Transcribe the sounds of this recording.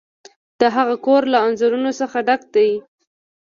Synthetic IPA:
d̪̥əɦaɣakoɾlaanzaɾunosəxaɖak̚t̪aji

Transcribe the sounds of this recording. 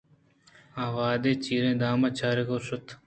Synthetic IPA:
ãːʋaːd̪eːt͡ʃiːɾẽːd̪aːmɐt͡ʃʰaːɾekosʊt̪ʰ

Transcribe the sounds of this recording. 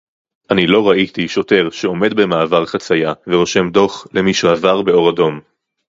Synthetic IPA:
ʔanilo̞ʁaʔit̪iʃo̞te̞ʁʃeo̞me̞d̪bemaːvaʁχat͡sajaveʁo̞ʃe̞mdo̞χlemiʃehavaʁbe̞o̞ʁado̞m

